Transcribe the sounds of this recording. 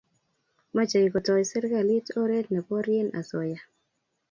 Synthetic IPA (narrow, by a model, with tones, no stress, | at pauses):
ma˦t͡ʃa˨i˨kɔ˨tɔ˨sɪ˦ɾɡa˨li˦to˦ɾe˦tnɛ˨pɔ˦ɾje˦nʔa̰˨sɔ˨ja˨